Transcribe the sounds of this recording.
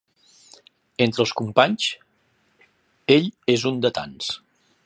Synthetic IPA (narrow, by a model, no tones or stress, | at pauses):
ent̪ɾəlˠskumpaɲs | eʎezund̪ət̪a̰ns